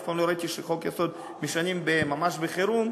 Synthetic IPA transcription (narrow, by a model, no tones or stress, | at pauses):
falmloɾait̪iʃeχo̞kjaso̞d̪ | miʃanimbemamaʃbeχeɾum